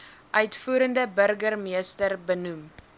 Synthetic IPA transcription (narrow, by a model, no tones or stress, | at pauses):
ʔœɥtfuːɾəndəbərɡərmiəstərbənum